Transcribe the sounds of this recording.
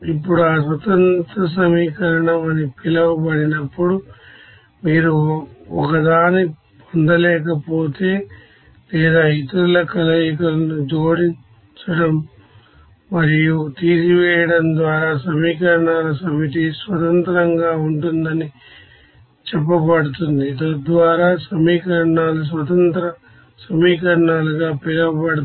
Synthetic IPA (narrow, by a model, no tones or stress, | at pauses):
ipːuɽuaːsʋɐt̪ɐnt̪ɾɐs̬ɐmiːkɐɾɐɳɐmɐnipilɐʋubɐɽinɐpːuɽu | miːɾuɔkɐd̪aːni | pond̪ɐlɛːk̬ɐpo̞ːt̪e̞ː | lɛːd̪aːit̪ulɐkɐlɐjikɐlɐnud͡ʒo̞ːɽiɲ | t͡ʃɐɽɐm | mɐɾijut̪iːsiʋɛːjɐɽɐnd̪ʋaːɾaːsɐmiːkɐɾɐɳaːlɐsɐmiʈ̬isʋɐt̪ɐnt̪ɐɾɐŋɡaːuɳʈund̪ɐni | t͡ʃɛpːɐpɐɽut̪und̪it̪ɐd̪ʋaːɾaːsɐmiːkɐɾɐɳaːlɐs̬ʋɐt̪ɐnt̪ɾɐ | sɐmiːkɐɾɐɳaːlɐɡaːpilɐpɐɽu